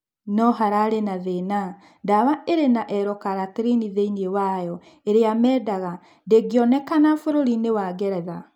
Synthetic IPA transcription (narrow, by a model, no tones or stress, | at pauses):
nɔɦaɾaɾenaðena | ndawaʔeɾenaʔɛɾɔkaɾateɾiniðeiniewajɔ | eɾeamɛːdaɣa | ndeɡiɔnɛkanafoɾoɾinewaɡɛɾɛða